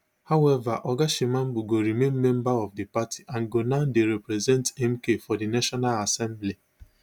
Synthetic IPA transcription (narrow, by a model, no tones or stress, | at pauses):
haʊɛvaʔɔɡaʃimãmbuɡoɾimẽnmɛ̃mbaɔfdipatʰi̥ʔãnɡonaʊndeɾɛpɾɛzɛ̃ntɛmkefɔdinaʃɔnalasɛ̃mbli